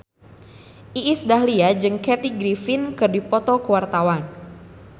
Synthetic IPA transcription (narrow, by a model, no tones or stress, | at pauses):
ʔiʔisdaɦliad͡ʒɨŋkɛt̪iɡɾifinkɨrdipɔt̪ɔkəwart̪awan